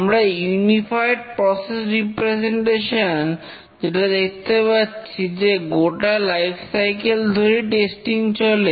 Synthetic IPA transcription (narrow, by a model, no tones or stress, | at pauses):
mɾajunifajɖ̚pɾɔsesɾipɾed͡ʑeɳʈeʃon | d͡ʑeʈad̪ek̚ʰt̪epatːɕʰid͡ʑeɡoʈalajfʰsajkeld̪ʱoɾiʈesʈiŋt͡ɕole